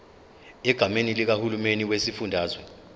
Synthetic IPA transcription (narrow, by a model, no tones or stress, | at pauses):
ɛɡ̥ʱamenilik̬ahulumeniwesifundʱaːzwɛ